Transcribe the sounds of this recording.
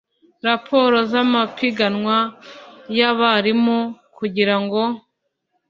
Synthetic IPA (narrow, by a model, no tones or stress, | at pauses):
ɾapʰo̞ːɾo̞zamapiɡanŋwa | jaβaɾimokuɟiɾaŋɡo̞